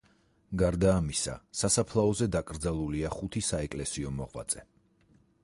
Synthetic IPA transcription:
ɡaɾd̪aːmisa̰sasapʰlˠaɔzɛd̪akʼɾd̪zalˠuliaχut̪ʰisaɛkʼlɛsiɔmɔʁwa̰t̪sʼɛ

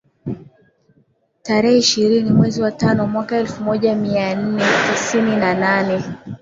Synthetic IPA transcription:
taɾɛhɛiʃiɾinimwɛziwatanɔmwakaɛlfumɔʄamian̩nɛtisininananɛ

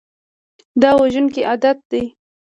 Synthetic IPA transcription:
d̪ɑwaʒənkeʔad̪at̪̚d̪aj

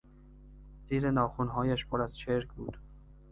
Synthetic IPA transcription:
z̥iːɾe̞nɒːxunɦɒːjæʃpʰoɾæz̥t͡ʃʰeɾkʰbṵːd̪̥

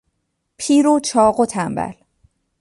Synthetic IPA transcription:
pʰiːɾot͡ʃʰɒːɢot̪ʰæmbæ̰l

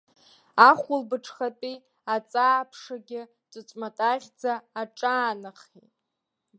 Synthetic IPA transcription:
aχʷʊlbɨʈ͡ʂʰχatʼi | at͡sʼaːpʰʂaɡʲɪ | t͡sʷʼɨt͡sʷʼmatʼaʁʲd͡zaːʈ͡ʂʼaːnɨχḛ

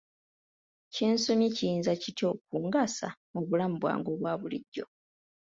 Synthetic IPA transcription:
ceːnso̞micijiːnzacito̞k̚uːŋɡasa̰muβulamubwa̰ːŋɡo̞βwaːβuliɟːo̞̰

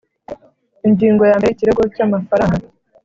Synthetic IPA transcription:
inɟiːŋɡo̞jaːmbeiciɾeɡo̞caːmafaɾaŋɡa

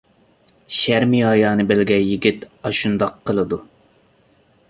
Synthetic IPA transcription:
ʃæɾmiɑjɑːnɨbɪlɡʲɛjiɡʲit̪ɑʃund̪ɑqʰːəlˠɨd̪u

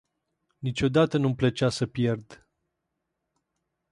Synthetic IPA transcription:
nit͡ʃʲo̞d̪at̪ənumplət͡ʃasəpje̞rd̪

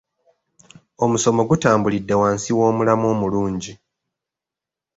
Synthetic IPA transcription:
o̞muso̞mo̞ɡutaːmbulidːe̞waːnsiwo̞ːmulamo̞ːmuluːɲɟi

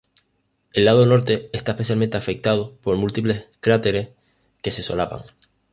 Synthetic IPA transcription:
e̞lːað̞ono̞ɾt̪e̞est̪aehpe̞θ̬jalment̪eafe̞k̚t̪að̞opo̞ɾmult̪iple̞skɾat̪e̞ɾe̞h | ke̞se̞so̞̰lapa̰ŋ

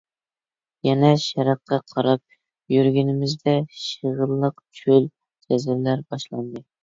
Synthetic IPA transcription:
jɛnɛʃɛɾɑqːɑqʰɑɾɑp̚ | jyɾɡʲynɪmɪzd̪ɛʃəʁəlˠːəq̚t͡ʃʰyl | d͡ʒ̪ɛzɪɾlæɾbɑʃlˠɑnd̪ɨ

